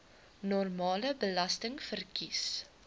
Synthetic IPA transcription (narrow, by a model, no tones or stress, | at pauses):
nɔrmɑːləbəlɐstəŋfərkis